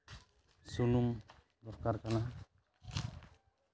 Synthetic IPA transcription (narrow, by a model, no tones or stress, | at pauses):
sulum | d̪ɔɾkaɾkana